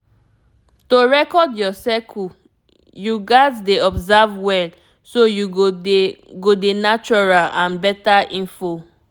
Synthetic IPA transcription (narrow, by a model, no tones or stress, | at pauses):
toɹɛkɔdjɔsɛkʰu | juɡazdeɔbzavwɛn | soju | ɡodenat͡ʃɔɹalãnbɛtaʔĩnfo